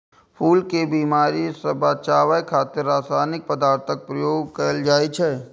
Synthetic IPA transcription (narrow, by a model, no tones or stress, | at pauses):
pʰuːlkebiːmaːɾisɐbaːt͡ʃaːʋajkʰaːt̪ɪɾːaːsaːnɪk̚pəd̪aːɾt̪ʰək̚pɾɐjoːɡ̚kəɾəld͡ʒaːet͡ʃʰɛː